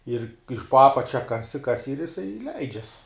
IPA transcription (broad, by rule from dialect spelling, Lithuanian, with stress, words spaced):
ɪr ɪʃ poː ˈɑːpɐt͡ʃʲɛ ˈkɑːsʲɪ ˈkɑːsʲɪ ɪr jɪˈsɐɪ ˈlʲɛɪd͡ʒʲɛs